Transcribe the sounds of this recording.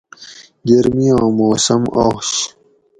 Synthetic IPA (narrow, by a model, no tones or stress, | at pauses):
ɡɐɾmijãːmoːsɐmoːɕ